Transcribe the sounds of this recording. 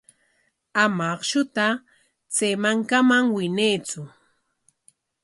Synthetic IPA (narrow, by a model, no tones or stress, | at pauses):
amaχʃʊt̪a | t͡semaŋkamaŋwɪneːt͡sʊ